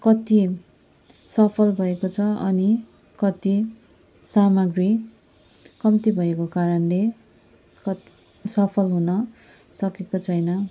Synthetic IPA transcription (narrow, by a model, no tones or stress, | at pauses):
kʌt̪i | sʌpʰʌlbʱʌekot͡sʰʌʌ̰ni | kʌt̪i | samʌɡri | kʌmt̪ibʱʌekokaɾʌnle | kʌt̪i | sʌpʰʌlɦunʌ | sʌkekot͡sʰʌjnʌ